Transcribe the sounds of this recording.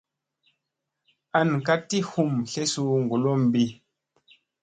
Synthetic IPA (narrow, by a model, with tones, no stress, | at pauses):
a˨nka˦ti˦hu˦˨mɬe˦su˦ŋ˨ɡu˨lo˦m˨bi˦